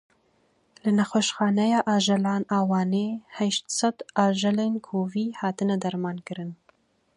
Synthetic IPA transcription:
lɨnɛxoʃxɑːnɛjɑːʔɑːʒɛlɑːnɑːwɑːneːhɛʃt̪sɛd̪ɑːʒɛlenkʰoːviːhɑːt̪ɨnɛd̪ɐɾmɑːnkɨɾɨn

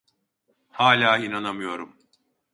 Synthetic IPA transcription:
haːlʲaːinanamɯjo̞ɾum

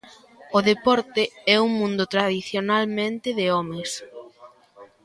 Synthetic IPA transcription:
ʊðepɔɾt̪ɪɛuŋmũnd̪ʊt̪ɾaðiθjonalmẽnt̪ɪðeɔmes

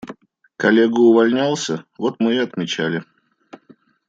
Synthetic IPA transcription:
kɐlʲeɡʊʊvɐlʲnʲalˠsʲəvot̪mɨɐt̪mʲɪt͡ɕælʲɪ

